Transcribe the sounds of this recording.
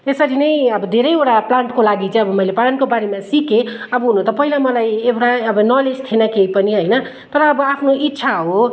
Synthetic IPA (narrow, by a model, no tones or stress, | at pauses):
esʌɾinʌjʌbʌd̪ʱeɾʌjeʈaplaɳʈkolaɡit͡sʌ̃ʌbʌmʌjleplaɳʈkobaɾemasike | ʌbʌɦunot̪ʌpʌɦilamʌlajewʈaʌbʌnʌled͡zt̪ʰenʌkeipʌniɦojnʌ | t̪ʌɾʌːbʌapʰnoʔitːsʰaɦo